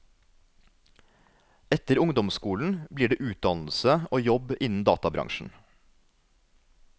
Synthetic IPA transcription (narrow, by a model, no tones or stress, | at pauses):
ɛt̪əɾʊŋd̪ɔmskuːln̩bliːɖeːʔʉːt̪̚d̪ɑnl̩səʔoːjɔbɪnn̩d̪ɑ̰ːt̪ɑbɾɑ̰ŋʃn̩